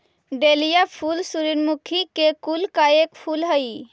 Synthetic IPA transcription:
ɖelijapʰuːlsuɾinmukʰikekulkaeːkpʰulɦəi

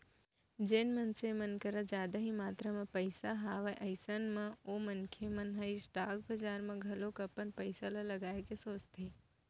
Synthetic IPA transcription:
d͡ʒeːnmənsemənkəɾad͡ʒjaːd̪aɦimaːt̪ɾəmẽpəɪsaɦaːʋaʔɐɪsənmẽoːmənkʰemɐnɦəisʈaːkbəd͡ʒaːɾmẽɡʱɐlõkɐpənpəɪsalalɐɡaːekesoːt͡ʃt̪eː

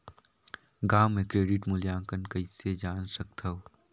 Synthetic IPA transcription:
ɡaːmːẽkɾeːɖɪʈmʊljãːkənkɐised͡ʒaːnsək̚t̪ʰɐw

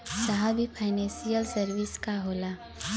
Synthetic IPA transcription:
saɦaːbʱipʰaɪnɛ̃ːsijəlsɐɾʋɪskaɦoːlaː

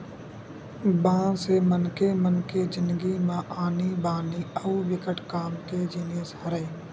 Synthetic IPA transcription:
bãːnsemənkemənked͡ʒɪ̃nd̪ɡimãːʔaːnibaːniːəuːʋɪkəʈʰkaːmked͡ʒiːnɪjəshəɾəe

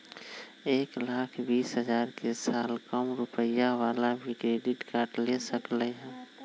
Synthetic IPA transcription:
eːklaːkʰbiːsɦəd͡ʒaːɾkesaːlkəmɾʊpəjaʋaːlabʱikɾeːɖɪʈkaːɾʈlesəkləɦɛ̃ː

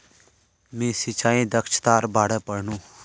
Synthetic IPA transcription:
mẽsɪt͡ʃʰaːĩd̪əkʃt̪aːɾbaːɽəpəɽnũː

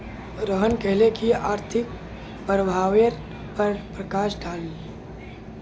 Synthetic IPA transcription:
ɾəɦənkɛɦlekiaːɾt̪ʰɪk̚ | pɾəbʱaːʋeɾ | pəɾpɾəkaːʃɖʰʱaːli

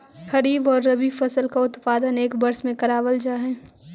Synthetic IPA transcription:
xɐɾiːbɔːɾːɐbifɐsəlkaʊt̪paːd̪əneːkbɐɾsmẽkɐɾaːʋəld͡ʒaːɦɛː

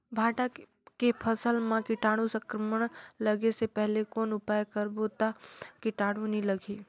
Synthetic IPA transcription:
bʱaːʈa | kepʰəsəlmãkɪʈaːɽ̃ũsə̃ŋkɾəməɽ̃ləɡesepɛɦlekoːnʊpaːjkəɾbot̪akɪʈaːɽ̃ũnɦĩləɡiː

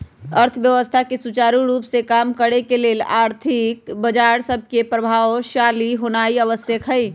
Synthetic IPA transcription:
əɾt̪ʰʋjəʋəst̪ʰakesut͡ʃaːɾuɾuːpsekaːmkəɽekeleːlaːɾt̪ʰikbəd͡ʒaːɾsəb̚ʱkepɾəbʱaːwʃaːliɦonaːiəʋəsjəkɦəi

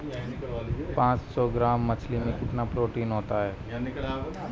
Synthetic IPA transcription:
pãːt͡ʃsɔːɡɾaːmːɐt͡ʃʰlimẽkɪt̪napɾoːʈiːnɦoːt̪aɦɛː

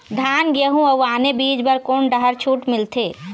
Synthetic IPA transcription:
d̪ʱanɡeɦũəwaːnebid͡ʒbəɾkonɖəɦəɾt͡ʃʰuʈmilt̪ʰe

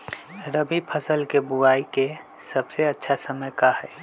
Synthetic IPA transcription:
ɾəbipʰəsəlkebuaːike | səbseɐtːʃʰasəməjkaɦɛː

